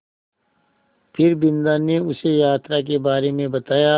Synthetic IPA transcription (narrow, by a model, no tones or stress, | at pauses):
pʰɪɾbɪ̃nd̪aneʊsejaːt̪ɾak̬ebaːɾemẽbɐt̪aːja